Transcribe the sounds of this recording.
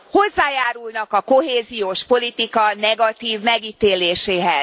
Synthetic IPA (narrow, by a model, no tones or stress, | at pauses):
ho̞zːaːjaːɾulnɒkɒko̞ɦeːzijoːʃpo̞lit̪ikɒnɛɡɒt̪iːvmɛɡiːt̪eːleːʃeːɦɛ